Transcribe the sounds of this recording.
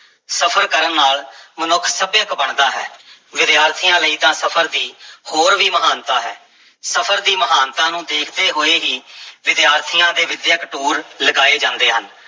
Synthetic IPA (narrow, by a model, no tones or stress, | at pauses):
səpʰəɾkəɾənːaːlmənʊkʰsəbjəkbəɳd̪aːɦɛ̰ːʋɪd̪jaːɾt̪ʰijãːləiːt̪ãːsəpʰəɾd̪iːhoːɾʋiːməɦaːnt̪aːɦɛ̰ː | səpʰəɾd̪iːməɦaːnt̪ãːnũːd̪eːkʰd̪eːɦoːeːɦiːʋɪd̪jaːɾt̪ʰɪjãːd̪eːʋɪd̪jəkʈuːɾləɡaːeːd͡ʒãːnd̪eːɦən